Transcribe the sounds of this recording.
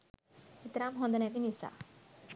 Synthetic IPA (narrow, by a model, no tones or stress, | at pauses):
ɪt̪ɾamɦõnd̪ənɛt̪inisa̰